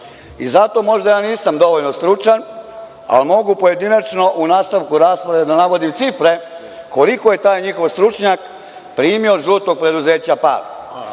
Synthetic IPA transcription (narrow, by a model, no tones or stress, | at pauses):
izat̪o̞mo̞ʒd̪ajaːniːsamd̪o̞ʋoʎno̞st̪ɾut͡ʃan | a̰lmo̞ɡupoje̞d̪inat͡ʃno̞ʔunaːst̪aʋkuɾaːspɾaʋed̪anaʋo̞d̪imt̪sifɾe̞ | ko̞liko̞je̞t̪aːjɲixo̞ʋst̪ɾut͡ʃɲak | pɾiːmioʒuːt̪o̞ɡ̚pɾe̞d̪uze̞ːt͡ɕapa̰ːɾ